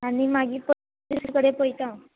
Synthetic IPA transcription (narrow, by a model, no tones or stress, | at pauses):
añimaɡiːpə | liskəɽepojt̪ã